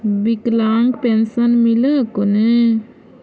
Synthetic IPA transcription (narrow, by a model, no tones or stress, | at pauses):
biklaːŋɡpensənmiləkone